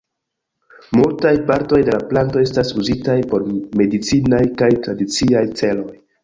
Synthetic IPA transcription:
multajpaɾto̞jde̞laplanto̞e̞stasuzitajpo̞ɾme̞dit͡sinajkajtɾadit͡siajt͡se̞lo̞j

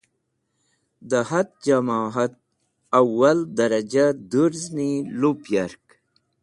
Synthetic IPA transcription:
d̪əhat̪̚d͡ʒamaːɦat̪̚ | awːɐld̪ɐɾɐd͡ʑad̪uɾznilupjaɾk

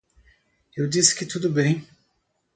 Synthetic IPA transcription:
ewdisɪ̥kɪt̪ud̪ubẽj̃

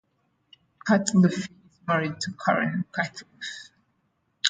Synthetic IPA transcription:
kʰatləfi | zmaɹid̚tʰukʰa̰ɹɨ̰̃nkʰatʰlf

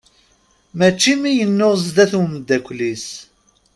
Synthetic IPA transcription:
mæt͡ʃːimijənːʊʁzd̪æθuwmd̪ːækʷlis

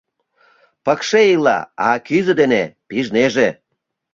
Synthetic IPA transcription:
pəkʃeilɑ̰ɑkyzə̆d̪enepiʒneʒe

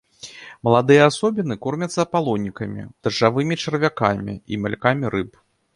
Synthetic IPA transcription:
mɐlˠad̪ɨjɐasɔbʲinɨkɔrmʲɐt̪sːɐpalˠɔnʲːikɐmʲḭd̪̥ɐʐavɨmʲit͡ʂɐɾvʲakamʲḭḭmʲalʲkamʲiɾɨp

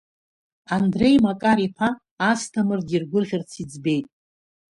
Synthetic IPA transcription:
andre̞jmakʼaɾiħʰaː | stʰamɨrɡʲirɡʷʊrʁʲɪrt͡sʰid͡zbe̞jtʼ

